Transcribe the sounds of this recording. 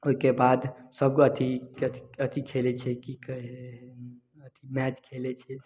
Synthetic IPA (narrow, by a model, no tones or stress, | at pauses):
oikebad̪səbkoət̪ʰii̥ət̪ʰikʰelɛt͡ʃʰɛkik | ət̪ʰimɛt͡ʃkʰelɛt͡ʃʰɛ